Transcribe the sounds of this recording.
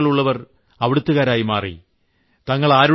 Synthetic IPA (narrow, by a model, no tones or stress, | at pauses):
ɐɭuɭːɐʋɐr | ɐʋiɽut̪ːuɣaːɾaːjimaːrḭ | t̪ɐŋːɐɭaːɾu